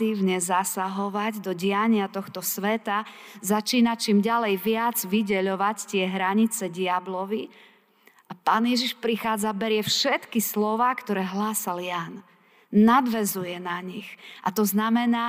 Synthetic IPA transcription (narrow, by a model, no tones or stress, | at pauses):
iʊɲɛzasaɦɔʋaɟd̪ɔɟɪaɲɪat̪ɔxt̪ɔsʋɛt̪azat͡ʃiːnat͡ʃiːmɟalɛjʋɪad͡zʋiɟɛʎɔʋact̪ɪɛɦɾaɲit͡sɛɟɪablɔʋi | ʔapaːnjɛʒiʃpɾixaːd͡zabɛɾɪɛfʃɛt̪kislɔʋaːkt̪ɔɾɛːɦlaːsaljan | nad̪ʋɛzujɛnaɲiɣʔa̰t̪ɔznamɛnaː